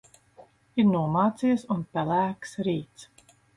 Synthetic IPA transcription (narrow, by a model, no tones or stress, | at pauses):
iɾnuɔmaːt̪sijəsunpʲɛlæːksɾiːt̪s